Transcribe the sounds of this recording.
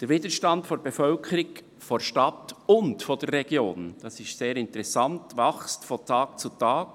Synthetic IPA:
d̥ɛɾviːdəʃtɑntfoɾb̥efœlkʰəɾɪk | foʃtɑtʊntfɔd̥ɛrːɛɡ̥joːnd̥ɑsɪʃtseːɾɪntəɾɛsɑntvɑxstfɔntʰɑːk̚t͡sutɑːk̚

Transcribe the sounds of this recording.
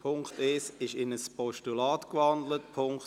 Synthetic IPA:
pʰʊŋktɪsɪʃɪnəspɔʃtulɑːtkʋɑndlət̚pʰʊŋk

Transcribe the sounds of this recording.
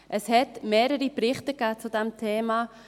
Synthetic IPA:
ʔəshɛtmeːɾəɾipɾɪχtəkæːt͡sudɛmtʰeːma

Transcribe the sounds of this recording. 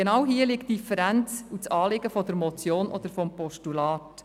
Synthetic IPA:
enɑwɦiəlɪkt̚d̥ifəɾænt͡sut͡sɑːlɪɡəfɔd̪əɾmɔt͡sjoːnʔɔd̪əɾfɔmpɔʃtulɑːt

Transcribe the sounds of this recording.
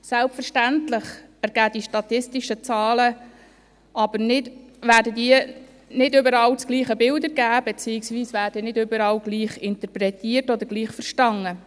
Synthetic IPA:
sɛlpfəɾʃtæntlɪχæɾɡ̥æːd̥iʃtɑt̪ɪstiʃət͡sɑːlə | ʔɑbəɾnɪdʋæːɾdədiə | nɪdʏbəɾɑːlt͡skɡliːχəbɪldəɾɡæːbet͡siːɪksʋiːsʋæːɾd̥ənɪdʏbəɾɑlɡ̥liːχɪnt̪əpɾɛtiːərtɔd̪əɾɡ̥liːχfəɾʃtɑŋːə

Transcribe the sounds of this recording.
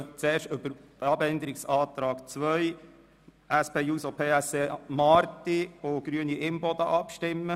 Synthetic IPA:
t͡seːɾʃtɵbəɾəɑbɛnd̪əɾiksɑːt̪ɾɑːɡt͡sʋœj | ʔæspeːjuːsopʰeːæsemɑɾt̪ioɡ̥ɾyəniʔɪmbɔd̪ɑʔɑpʃtɪmːə

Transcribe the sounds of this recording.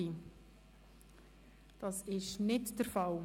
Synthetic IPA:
i | d̥ɑsɪʃnɪtd̥əɾfɑl

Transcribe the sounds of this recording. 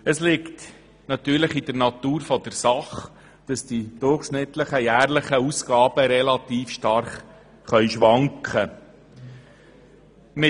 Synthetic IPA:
əslɪkt | nɑt̪yːɾləχid̥əɾnɑt̪uːɾfɔd̥əɾsɑχ | d̥ɑsd̥id̥ʊrχʃnɪt̪ləχəjæːrləχəusɡ̥ɑːb̥əɾɛlɑt̪iːfʃtɑrχ | χœʏʃʋɑŋkχə | mɪ

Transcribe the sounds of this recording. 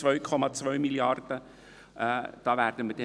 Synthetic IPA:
vœɥkʰɔmɑt͡svœʏmiljɑrd̥ə | d̥ɑːvæːrd̥ənməd̥ɛ

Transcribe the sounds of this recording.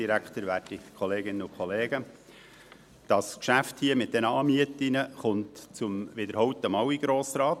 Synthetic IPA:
iɾækt̪əɾʋæːtikʰɔleːɡɪnːəʊkʰχɔleːɡə | d̥ɑskʃæfthiəmɪt̪̚d̥ɛnəɑːmiətɪnəχʊntt͡sʊmvɪd̪əɾhɔwtəmɑwiɡ̥ɾoːsɾɑːt

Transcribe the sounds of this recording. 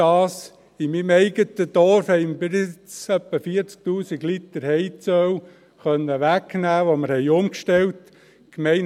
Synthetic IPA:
ɑːs | ɪmimɛɪɡ̥ətəd̥̪ɔɾfhɛɪmbɪɾɪt͡sœpːəfiːəɾt͡sk̚tuːsiɡlit̪əɾhɛɪt͡sœw | χœnːəʋæknæːʋoməɾhɛɪʊmkʃtɛlt | kmɛɪn

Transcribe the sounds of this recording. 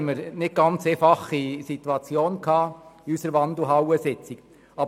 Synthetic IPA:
məɾnɪt̚ɡɑnt͡seːfɑχisit̪uɑt͡sjoːnkʰɑːiysəɾʋɑnd̪l̩ˠɦɑwəsɪt͡sik | ɑb

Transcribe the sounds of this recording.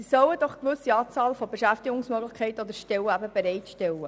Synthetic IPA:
sœwəd̥̪ɔχkʋɵsiɑːt͡sɑːlfɔbeʃæft̪ɪɡʊŋsmøɡləχkʰɛɪtəɔd̪əɾʃtɛwəæbəbeɾɛɪt̪ʃtɛlːə

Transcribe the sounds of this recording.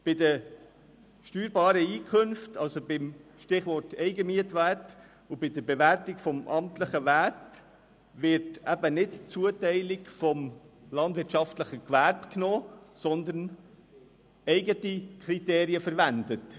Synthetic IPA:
b̥ɪdə | ʃtyːɾbɑːɾəiːkʰønftɑlsobɪmʃtɪχʋɔrtɛɪɡəmiətʋæːt | ʊb̥ɪdəɾbɛʋæɾtɪkfɔmʔɑmtləχəvæt | ʋɪɾtæbənɪtt͡suətɛɪlɪkfɔm | lɑndvɪtt͡ʃɑftləχəkʋærpknoːsɔnd̪ən | ɛɪɡətikʰɾiteːɾiəfəɾʋændət

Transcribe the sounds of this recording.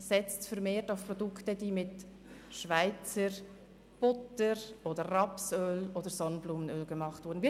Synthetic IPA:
sɛt͡stfəɾmeːtaʊfprɔdʊktədiːmɪt | ʃvaɪt͡səɾ | b̥ʊtəɾʔoːdərɑpsøːloːdəɾsɔnəbluːmənøːlɡ̥əmɑχtvʊːɾdn̩vi

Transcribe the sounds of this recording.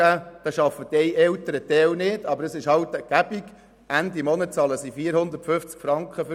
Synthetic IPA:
æːd̥ɑʃɑfːədɛjʔɛltəɾət̪ɛlnɪd̥ɑbəɾəsɪʃhɑwt̪əɡ̥æb̥iɡ | ʔænd̪imɔnətt͡sɑːləsifiːəɾhʊnd̪ətfʏft͡skfɾɑŋkχəf

